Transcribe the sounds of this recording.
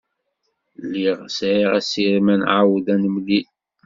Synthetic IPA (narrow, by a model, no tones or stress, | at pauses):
lːiʁsʕiʁæsiɾmænʕawðænəmli